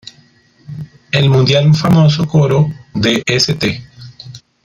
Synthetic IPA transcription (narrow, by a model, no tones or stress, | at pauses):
elmũnd̪jalufamo̞sokoɾo̞ðeʔeset̪e